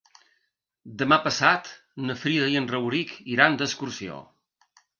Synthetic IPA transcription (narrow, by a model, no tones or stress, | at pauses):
d̪əmapəsat̪ | nəfɾiðəiənrəwɾikiɾand̪əskuɾsio̰